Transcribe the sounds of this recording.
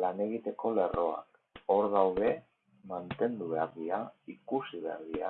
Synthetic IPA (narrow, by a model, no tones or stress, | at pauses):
lane̞ɣit̪e̞ko̞le̞ro̞a̰k | o̞ɾðawðe̞ | mant̪e̞nd̪uβeaɾðiaikusiβea̰ɾðia